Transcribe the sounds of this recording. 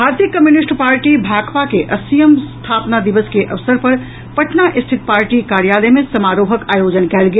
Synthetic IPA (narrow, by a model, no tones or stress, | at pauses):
bʱaːɾt̪ijəkəmjunisʈpaːɾʈibʱaɡpakeʔəsijəmst̪ʰapnad̪iʋəskeʔəʋsəɾpəɾ | pəʈʰnaʔist̪ʰit̪̚paːɾʈikaɾjalemẽsəmaɾoɦəkajod͡ʒənkɛlɡe